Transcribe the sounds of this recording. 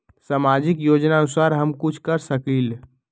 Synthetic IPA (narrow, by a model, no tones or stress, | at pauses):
samad͡ʒikjod͡ʒnaənusaɾɦəmkut͡ʃʰkəɾsəkil